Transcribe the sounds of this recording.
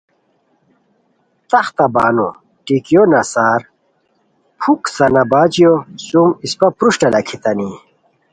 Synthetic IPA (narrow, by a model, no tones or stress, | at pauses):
t̪ɐχt̪ɐbaːno̰ | ʈikijonɐsaːɾ | pʰuksɐnɐbaːt͡ɕijosumispɐpɾuʂʈɐlɐkʰit̪ɐni